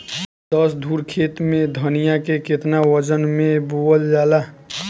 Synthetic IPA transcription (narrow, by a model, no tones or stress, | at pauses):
d̪əsd̪ʱuɾkʰet̪med̪ʱənijakeket̪nawəd͡ʒənmeboəld͡ʒala